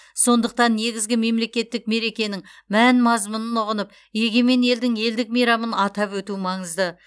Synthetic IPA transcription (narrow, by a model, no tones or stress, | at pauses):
so̞nd̪əq̚t̪ɑnːe̞ɡʲɪzɡʲɪme̞mle̞kʲe̞t̪ːɪk̚me̞ɾe̞kʲe̞nɪŋmænmɑzmənənʊʁənəp | je̞ɡʲe̞me̞ne̞ld̪ɪŋe̞ld̪ɪk̚mejɾɑmənɑt̪ɑpwɵt̪umɑɴəzd̪ə